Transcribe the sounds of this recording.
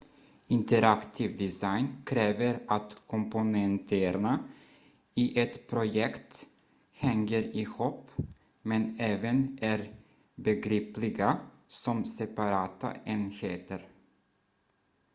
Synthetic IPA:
ɪnt̪ʰəɾakt̪ʰɪvd̪ɪsajnkʰɾeːvəɾat̪kʰɔmpʊnɛnt̪ʰəɾɳa | iʔɛt̪pʰɾʊjɛkt̪ | hɛŋːəɾɪhupː | mɛnɛːvənʔæɾ | bɛɡɾiːplɪɡa | sɔmsɛpaɾɑːt̪a̰ʔeːnheːt̪əɾ

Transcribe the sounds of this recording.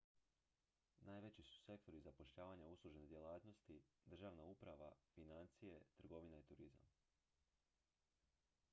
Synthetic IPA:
naːjʋe̞t͡ɕisu̥se̞kt̪o̞ɾizapo̞ʃʎaːʋaɲauslˠuʒened̪jelaːt̪no̞st̪id̪r̩ʒaːʋnaupɾaʋa̰finant̪sije̞t̪r̩ɡo̞ʋinait̪uɾiza̰m

